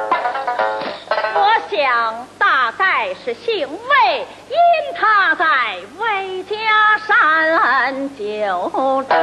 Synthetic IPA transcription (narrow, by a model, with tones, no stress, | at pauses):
wɔ˧˥ɕjɑ˨˩ŋt̪a˥˧ka˥˩˧ɪʂɻ̩˧˩ɕi˥˧ŋwe˥˩ɪ | i˥nt̪ʰa˥˧t͡sa˥˧˩ɪwe˥˩ɪt̪ʰjɛ˥ʂa˥˧nə˧nt͡ɕjɔ˨˩ʊ˧